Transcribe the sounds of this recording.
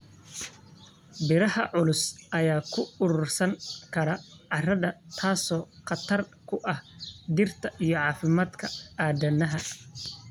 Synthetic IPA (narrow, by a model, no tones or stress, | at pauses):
bɪɾɐhɐʕʊlʊsʔɐjaːkʰʊʊɾʊːrsɐŋkʰɐɾɐʕɑrɐðɐt̪ʰaːsɔːqɑt̪ʰɐrkʰʊʔɐhd̪ɪrt̪ʰɐʔijɞʕɑːfɪmaːd̪kʰɐaːd̪ɐnɐɦɐ